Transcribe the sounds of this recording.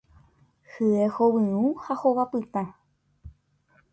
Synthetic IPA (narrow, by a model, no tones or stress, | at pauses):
hɨehowɨ̃ũhahoβapɨt̪ã